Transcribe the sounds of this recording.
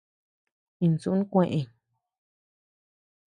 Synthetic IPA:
ĩ˧n˨su˧˦nũ˦kʷẽ˧ʔẽ˧˨

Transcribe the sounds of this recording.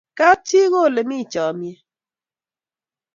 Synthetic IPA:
ka˦tje˦ɣo˦˨le˨mɪ˦˨t͡ʃɔ˨mje˦

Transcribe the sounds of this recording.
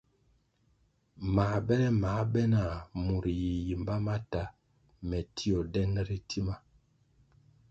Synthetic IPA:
maː˨˦bɛ˦ɾɛ˦ma˨˦bɛ˦na˨mu˨ɾji˨ji˨mba˦ma˦ta˦ | mɛ˨tʰi˦o˨dɛ˦n˦ɾi˦ti˦ma˦

